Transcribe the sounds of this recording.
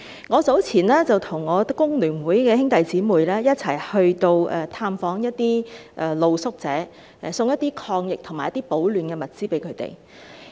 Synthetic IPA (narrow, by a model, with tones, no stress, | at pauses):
ŋɔː˨˧t͡so˨˥wt͡sʰiː˨˩nlɛː˥t͡sɐ˨wt̪ʰʊ˨˩ŋːɔː˨˧kʊ˥ŋlyː˨˩nwuː˨˥jkɛː˧hɪ˥ŋt̪ɐ˨jt͡siː˨˥muː˨˩jlɛː˥jɐ˥t̚t͡sʰɐ˨˩jhɵ˧ɥt̪o˧wɛ˨t̪ʰaː˧mfɔː˨˥ŋjɐ˥t̚t̪iː˥ʔɛ˨˧lo˨wsʊ˥k̚t͡sɛ̰ː˨˥˨ | sʊ˧ŋjɐ˥t̪iː˥kʰɔː˧ŋjɪ˨k̚t̪ʰʊ˨˩ŋmaː˨jɐ˥t̪iː˥po˨˥wlyː˨˩nkɛː˧mɐ˨t̚t͡siː˥pe˨˥jkʰɵ˨˧ɥt̪ḛ˨˩j